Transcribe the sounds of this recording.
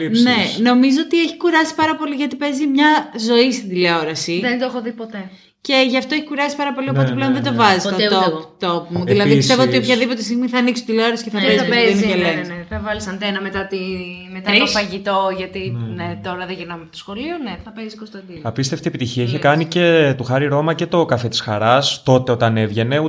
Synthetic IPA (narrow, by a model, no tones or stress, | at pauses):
ne̞no̞mizoot̪ieçi̥kuɾɐsi̥pɐɾɐpo̞liʝɐt̪ipe̞zimɲɐzo̞ist̪ind̪ileo̞ɾɐsiðend̪oexoðipot̪e | ce̞ʝɐft̪oeçikuɾɐsi̥pɐɾɐpo̞lio̞po̞t̪eple̞o̞nðed̪ovɐzisot̪opumuðilɐðiist̪evoot̪iopçɐðipot̪est̪iɣmiθɐːniksot̪id̪ileo̞ɾɐsi̥ceθɐpɾezineeleneθɐvɐlisɐnd̪enɐmet̪ɐt̪imet̪ɐt̪ofɐʝit̪o̞ʝɐt̪inet̪o̞ɾɐðeʝiɾnɐmeɐpot̪osxo̞lioneθɐpezisikost̪ɐnd̪inɐpist̪eft̪iepit̪içiɐiçekɐnice̞t̪uxɐɾiɾo̞mɐce̞t̪o̞kɐfet̪i̥sxɐɾɐst̪o̞t̪e̞o̞t̪ɐne̞vʝe̞ne̞u